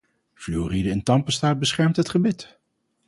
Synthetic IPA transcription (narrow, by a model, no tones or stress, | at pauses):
fluːridəɪntɑmpəstaːt̚bəsχɛɹmtɦətχəbɪt